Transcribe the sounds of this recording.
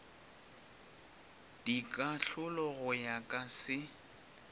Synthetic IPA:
d̥ikʼaɬʊlɔɣʊjakʼasɪ

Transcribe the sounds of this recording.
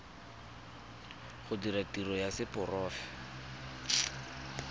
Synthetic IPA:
χʊdiɾatirɔjasɪpʊrɔːfɛ̥

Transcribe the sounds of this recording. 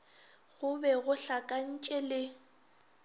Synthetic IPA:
ɣʊbɛɣʊɬakʼan̩t͡ʃʼɛlɪ

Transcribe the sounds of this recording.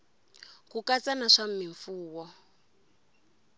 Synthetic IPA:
kukat͡sanaʂam̩miɱfuːwɔ

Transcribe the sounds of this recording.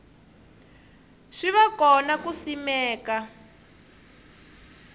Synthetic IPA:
ʂiβakɔnakusimɛːka

